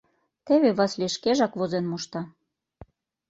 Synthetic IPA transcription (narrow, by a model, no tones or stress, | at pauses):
t̪eβeβɑsleʃkeʒɑkβozenmuʃt̪ɑ